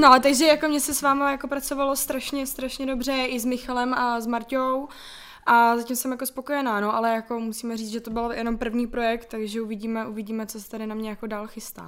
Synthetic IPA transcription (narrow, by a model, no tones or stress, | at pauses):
noʔalɛt̪aɡʒɛjakomɲɛsɛsvaːmajakopɾat͡sovalo̞st̪ɾaʃɲɛst̪ɾaʃɲɛdo̞br̝ɛʔɪzmɪxalɛmazmaɾcow | ʔazacimsɛmjako̞spo̞ko̞jɛnaːnoʔalɛjako̞musiːmɛriːt͡sʒɛt̪obɪljʔɛno̞mpr̩vɲiːpɾo̞jɛk̚t̪ːaɡʒɛuvɪɟiːmɛʔuvɪɟiːmɛt͡sosɛ̥t̪adɪnamɲɛjako̞daːlxɪst̪a̰ː